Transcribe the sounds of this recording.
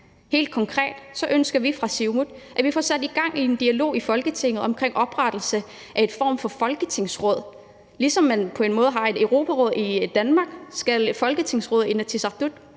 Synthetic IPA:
he̝̰ːld̥̚kʰɒ̽ŋkʰʁɛ̰ːd̥sɒ̽ʔønsɡ̥ɐʋifʁɑ̈siʊmud̥ʔæʋifɒsæd̥iɡ̥ɑ̈ŋ̰ie̝nd̥iælo̝̰ːifɒ̽lɡ̥ət͡sʰe̝ŋ̰ð̩ˠɒ̽mkʰʁeŋ̰ʔɒ̽b̥ʁɑd̥l̩sə | ʔæe̝d̥fɒ̰ːmfɒ̽fɒ̽lɡ̥ət͡sʰe̝ŋ̰sʁɔ̽ð̞̰ˠ | lisɒ̽mːænpʰɒ̽e̝nmɔ̽ːð̞̩ˠɦɑ̈e̝d̥eʊʁo̝ːpʰæʁɔ̽ːð̞̰ˠid̥ænmɑ̈ːɡ̥sɡ̥ælfɒ̽lɡ̥ət͡sʰe̝ŋsʁɔ̽ːð̩ˠenæt͡sʰisɑ̈ʁd̥ud̥

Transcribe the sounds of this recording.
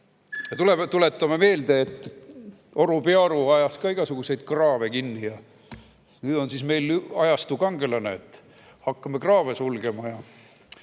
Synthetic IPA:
jɑt̪ulemt̪ule̞t̪ːˑɑmeme̞ːld̪e̞ːt̪ːˑ | oɾupeɑɾuɑjɑskɑːiɡ̥ɑsuɡ̥use̞jd̪̥̚krɑːvekinːijɑ | nyːd̪o̞nsisme̞jlɑjɑst̪ukɑŋɡ̥e̞lɑneet̪ːˑ | hɑkːɑmekrɑːvesulɡe̞mɑjɑ

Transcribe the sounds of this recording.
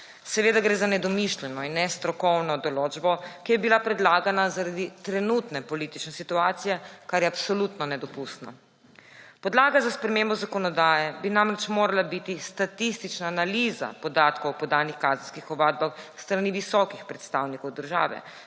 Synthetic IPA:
sɛʋeːd̪aɡɾeːzanɛd̪ɔmiʃlʲɛnɔinːɛst̪ɾɔkɔwnɔd̪ɔloːd͡ʒbɔkijɛbilapɾɛd̪laːɡanazaɾad̪it̪ɾɛnut̪nɛpɔliːt̪it͡ʃnɛsit̪uaːt̪sijɛkaɾjɛapsɔlut̪nɔnɛd̪ɔpust̪na̰ | pɔd̪laːɡazaspɾɛmeːmbɔzakɔnɔd̪aːjɛbinamɾɛt͡ʃmoːɾalabit̪ist̪at̪ist̪it͡ʃnaːnaliːza̰pɔd̪aːt̪kɔwpɔd̪aːnixkaːzənskixɔbaːd̪̚baxst̪ɾaniʋisɔkixpɾɛt̪st̪awnikɔwd̪əɾʒa̰ːʋɛ̰

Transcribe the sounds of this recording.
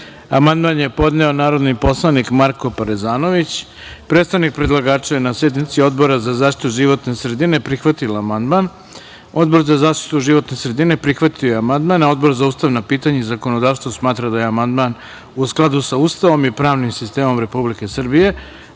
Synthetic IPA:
amand̪manje̞po̞d̪ne̞o̞naːɾo̞d̪nipo̞slˠanikmaɾko̞paɾezaːno̞ʋit͡ɕ | pɾet̪st̪aʋnik̚pɾed̪lˠaɡaːt͡ʃaenasjed̪nit̪sio̞d̪bo̞ɾazazaːʃt̪i̥tit̪uʒiʋo̞t̪ne̞sɾe̞d̪ine̞pɾixʋat̪ilamand̪man | o̞d̪bo̞ɾzazaːʃt̪i̥t̪uʒiʋo̞t̪ne̞sɾe̞d̪ine̞pɾixʋat̪iojeamand̪manao̞d̪bo̞ɾzauːst̪aʋnapiːt̪aɲeizako̞no̞d̪aːʋst̪ʋosmaːt̪ɾad̪aje̞amand̪man | usklˠad̪usaust̪aʋo̞mipɾaːʋnimsist̪e̞ːmo̞mɾe̞publike̞sr̩bije̞

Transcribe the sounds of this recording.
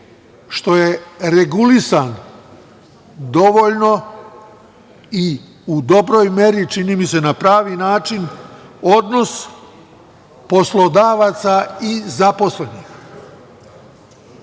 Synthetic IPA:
ʃt̪o̞je̞ɾeɡulisan | d̪o̞ʋoʎno̞ | i | ud̪o̞bɾojme̞ɾit͡ʃiniːmise̞napɾaːʋinaːt͡ʃino̞d̪no̞s | po̞slˠo̞d̪aːʋaːt̪saizapo̞sle̞nix

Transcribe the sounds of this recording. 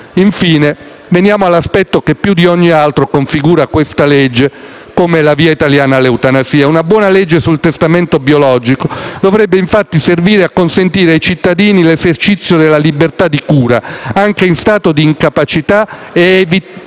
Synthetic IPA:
iɱfiːne | venjaːmoalːaspɛt̪ːokepːjud̪iɔɲːialt̪ɾokoɱfiɡuːɾakwest̪aled͡ʒːe | komelaviːait̪aljaːnaleut̪anasiːaunabwɔːnalɛd͡ʒːesult̪est̪amɛnt̪objolɔːd͡ʒikod̪ovɾɛbːeiɱfat̪ːiserviːɾeakːonsent̪iːɾeajt͡ʃit̪ːad̪iːnilezert͡ʃit̪sːjod̪elːalibert̪ad̪ːikuːɾaaŋkeinst̪aːt̪od̪iːŋkapat͡ʃit̪aeevi

